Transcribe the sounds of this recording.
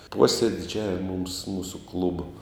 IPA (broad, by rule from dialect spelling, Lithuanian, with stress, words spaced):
ˈpoːsʲeːdʲɪd͡ʒʲɛʋʲɪmɐ mʊms ˈmuːsʊ ˈklˠʊboː